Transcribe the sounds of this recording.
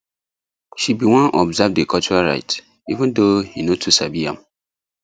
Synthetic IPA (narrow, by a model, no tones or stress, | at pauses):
ʃibiwãnʔɔbzavdekɔlt͡ʃuɹaɹa̰ɪt | ivə̃ndohinotʰusabiã̰m